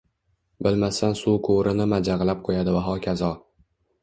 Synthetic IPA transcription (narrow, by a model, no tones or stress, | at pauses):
bɪlmasansukʰʊɾɪnɪmad͡ʒaʁlˠap̚qʰojad̪ɪvaɦɒkʲʰazɒ